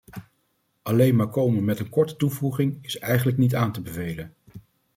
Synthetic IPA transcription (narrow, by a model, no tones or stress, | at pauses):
ʔɑlejnmaːɹkowmənmɛtənkɔɹtə̥tuvuχɪŋɪsɛjχənləknitaːntəbəvejlən